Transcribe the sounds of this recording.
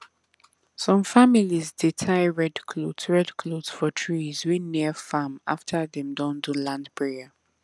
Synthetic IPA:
sɔ̃mfamilizditʰaɪɹɛdkʰlodsɹɛdkʰlodsfɔtʰɹizwinːiəfama̰ftʰəðɛ̃mdɔ̃ndulãndpʰɹɛə

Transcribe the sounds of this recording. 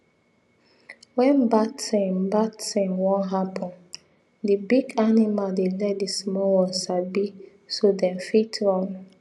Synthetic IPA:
wɛ̃nbasẽmbadsẽmwɔ̃nɦapʰɔ̃n | dibiɡanimaldelɛt̚dismɔwɔ̃nsabi | sodɛ̃mfitʰɹɔ̃n

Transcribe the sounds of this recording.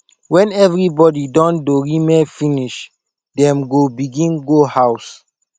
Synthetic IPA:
wɛ̃nɛvɹibɔdidɔ̃ndoɹimɛfiniʃ | dɛ̃mɡobiɡĩnɡohaws

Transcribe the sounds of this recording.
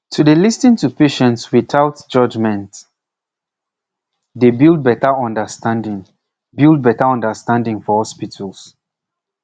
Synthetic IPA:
tʰudəlistĩŋtupeʃɛ̃ntswiθaʊtd͡ʒʌd͡ʒmɛ̃nt | debilˠd̚bɛtəɔ̃ndəstãndɪ̃ŋ | bilˠd̚bɛtəɔ̃ndəstãndɪ̃ŋfɔhɔspitʰəlˠs

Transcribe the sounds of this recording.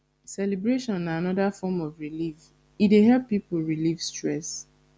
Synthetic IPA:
sɛlebɹeʃɔ̃nːaanɔðafɔmɔvɹilif | ideɦɛlpːipol̩ɹilifstɹɛs

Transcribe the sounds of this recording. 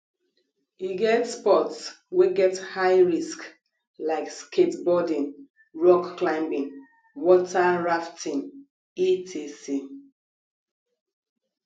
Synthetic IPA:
iɡɛtspɔts | weɡɛthaɪɹisk | laɪkskʰetbɔdĩŋ | ɹɔkːlãɪ̃mbĩŋ | wɔtʰaɹaftʰĩn | itʰesi

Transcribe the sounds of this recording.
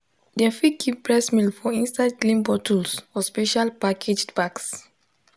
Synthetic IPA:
dɛfikʰipbɹɛsmilfɔĩnstadklĩmbɔtʰulsfɔspeʃalpakʰed͡ʒbaks

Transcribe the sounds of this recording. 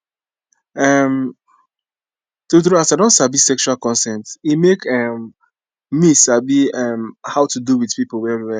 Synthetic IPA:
ɛm | tuθɾuasadõntsabisɛkʃualkɔ̃nsɛ̃ntimekɛm | misabiɛmhaʊtuduwiðpiplwɛɛiwɛ

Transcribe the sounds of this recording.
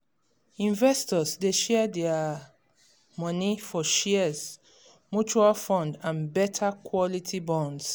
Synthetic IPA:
ĩɱvɛstɔzdeʃɛdɛa | mɔnifɔʃɛz̥ | mut͡ʃualfɔ̃ndãnbɛtʰakʰwɔlitʰibɔ̃nds

